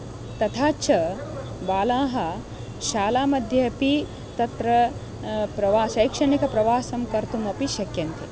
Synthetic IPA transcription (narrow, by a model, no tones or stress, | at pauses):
t̪ɐt̪ʰaːt͡ʃʰɐ | baːlaːɦɐ | ʃaːlaːmɐd̪ʱjɐpi | t̪ɐt̪ɾɐ | pɾɐʋaːʃɐjkʂɐɳikɐpɾɐʋaːsɐmkɐɾt̪umɐpiʃɐkjɐnt̪i